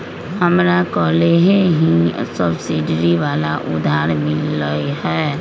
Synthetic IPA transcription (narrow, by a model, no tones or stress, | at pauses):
ɦɐmɾakɔːleɦẽɦisəbsɪɖɾiʋaːlaʔʊ̰d̪ʱaːɾmɪlːəiɦɛː